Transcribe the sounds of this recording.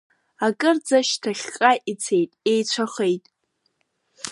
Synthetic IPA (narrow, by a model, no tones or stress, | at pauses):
akʼɨrd͡zaʃtʰaχʲqʼaʔit͡sʰe̞jtʼejt͡ɕʷʰaχejtʼ